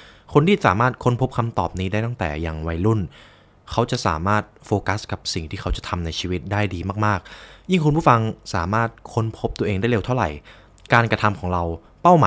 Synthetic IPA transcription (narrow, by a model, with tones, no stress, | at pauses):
kʰo˧nt̪ʰiː˥˩saː˩˦maː˥˩t̪̚kʰo˦˥npʰo˦˥p̚kʰa˧mt̪ɔ̰ː˨˩p̚niː˦˥daː˥˩jt̪a˥˩ŋt̪ɛ̰ː˨˩ja˧ŋwa˧jlu˥˩n | kʰa˦˥wt͡ɕa˨˩ʔsa̰ː˩˦maː˥˩t̪̚foː˧ka˦˥ska˨˩p̚si˨˩ŋt̪ʰiː˥˩a˦˥wt͡ɕa˨˩t̪ʰa˧mna˧jt͡ɕʰiː˧wi˦˥t̪̚daː˥˩jdiː˧maː˥˩k̚maː˥˩k̚ji˥˩ŋkʰu˧npʰu˥˩fa˧ŋsa̰ː˩˦maː˥˩t̪̚kʰo˦˧˥npʰo˦˥p̚t̪u˧ɐʔeː˧ŋda˥˩jle˧wt̪ʰa˥˩wɾa̰˨˩j | kaː˧nkɾa˧t̪ʰa˧mkʰɔː˩˦ŋɾa˧w | pa˥˩wmaː˨˦